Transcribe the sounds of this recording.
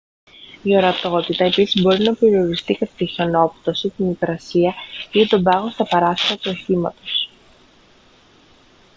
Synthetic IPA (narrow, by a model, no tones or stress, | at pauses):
io̞ɾɐt̪o̞t̪it̪ɐe̞pisizbo̞ɾinɐpe̞ɾio̞ɾist̪ikɐt̪ɐt̪içono̞pu̥t̪o̞sit̪imikɾɐsiɐit̪o̞bɐɣo̞st̪ɐpɐɾɐsiɾɐt̪uo̞çimɐ̰t̪o̞s